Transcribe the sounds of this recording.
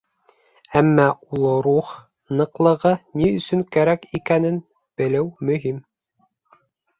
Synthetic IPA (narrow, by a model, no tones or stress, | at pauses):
æmːæulˠɤɾuχ | nɤ̆qlˠɤ̆ʁɤniɵ̆sɵŋkæɾækikænɘn | b̥ɘ̆lɘwmɵ̆ɦim